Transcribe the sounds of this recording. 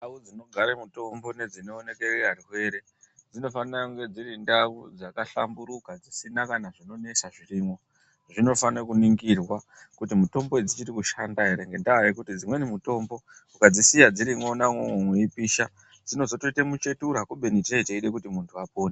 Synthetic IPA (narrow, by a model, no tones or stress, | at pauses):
naud͡zino̞ɡʱaɾemuto̞mbo̞ne̞d͡zino̞ːne̞kereariɦwe̞ɾe̞ | d͡zino̞fanaŋɡe̞d͡ziɾindaud͡zakaɬa̰mbuɾukad͡zisinakanaʐino̞ne̞saʐiriːmwo̞ | ʐino̞fanekuniŋɡirwa | kutimuto̞mbo̞ed͡zit͡ʃiɾikuʃandaɦe̞ɾe̞ŋɡendaajekutid͡zimwe̞nimuto̞mbo̞ukad͡zisijad͡ziɾimo̞namwomomweipiːʃa | d͡zino̞zo̞toitemut͡ʃe̞tuɾakuɓe̞nitit͡ʃaiteiɗe̞kutimuntʰuapoːne